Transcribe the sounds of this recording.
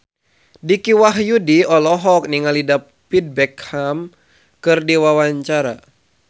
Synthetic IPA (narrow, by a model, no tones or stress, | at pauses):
dikiwaɦjudiɔlɔɦɔk̚niŋalida | pid̚bɛkham | kɨrdiwawaɲt͡ʃaɾa̰